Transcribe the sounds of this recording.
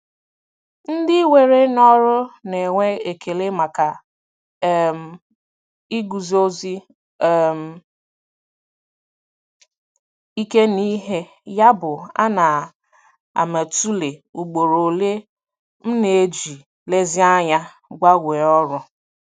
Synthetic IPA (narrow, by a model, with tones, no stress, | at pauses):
n̩˦dɪ˦we˨ɾe˦nɔ˦ɾʊ˦ne˨ŋʷe˦e˨kʰe˨le˦ma˨ka˨˦ | m̩˨ | i˦ɡu˨zo˦zi˦ | m̩˨ | i˦ke˦ni˦ɦe˦ | ja˦bʊ˨a̰˦na˨ | a̰˨me˨tu˦le˨u˨ɡ͡bo˨ɾo˨le˦ | m̩˦ne˨e˦d͡ʒi˨ | le˦zɪ˦a˦ɲa˦ | ɡʷa˦ɡʷe˨ɔ˦ɾʊ˦